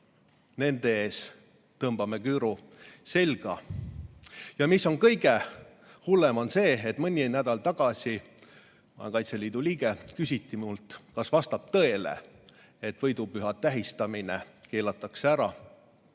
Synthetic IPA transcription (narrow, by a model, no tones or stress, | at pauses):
ne̞nd̪̥eeːs | t̪ɤmb̥ɑme̞kyːɾu | se̞lɡ̥ɑ̰ | jɑmisːo̞nkɤjɡe̞ | hulːemonse̞ːet̪mɤnʲːinæd̪̥ɑlt̪ɑɡ̥ɑsi | mɑ̰ḛkɑjt̪se̞liːd̪̥uliːɡekysʲit̪ːimult̪kɑsvɑst̪ɑp̚t̪ɤ̞e̞lḛ | et̪vɤjd̪upyɦɑt̪ːæɦist̪ɑminḛke̞ːlɑt̪ˑːɑkseæɾɑ